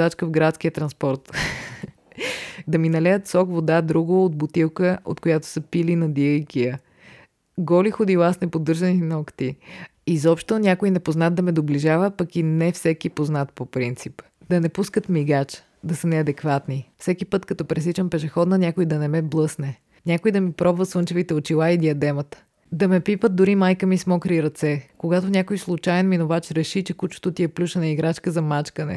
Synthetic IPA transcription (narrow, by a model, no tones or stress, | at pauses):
at͡ʃkəvɡɾat̪skijət̪ɾɐnspɔɾt̪ | d̪ɐminɐlɛjət̪sɔkvod̪ad̪ɾuɡoːt̪̚bot̪ilˠkəo̰t̪kojat̪o̥səpilinɐd̪iəjkiə | ɡɔlixod̪ilˠasnɛpod̪ɤɾʒəninɔkt̪i | izɔpʃt̪onʲakoinɛpoznat̪̚d̪ɐmɛd̪obliʒavəpɐkinɛfsɛkipoznat̪̚popɾint̪sip | d̪ɐnɛpuskət̪miɡat͡ʃ | d̪ɐsənɛɐd̪ɛkvat̪nifsɛkipɤt̪kɐt̪ɔpɾɛsit͡ʃəmpɛʃɛxɔd̪nɐnʲakojd̪ɐnɛmɛblˠɤsnɛ | nʲakoid̪ɐmipɾɔbvət̪svɤnt͡ʃɛvit̪ɛot͡ʃilˠaid̪iɐd̪ɛmət̪ə̥ | d̪ɐmɛpipət̪̚d̪ʊɾimajkəmismɔkɾiɾɐt̪sɛkoɡat̪onʲakojslˠut͡ʃajɛnminovat͡ʃɾɛʃit͡ʃɛkut͡ʃo̥t̪ʊt̪iɛplʲuʃənɐiɡɾat͡ʃkəzɐmat͡ʃkənɛ̰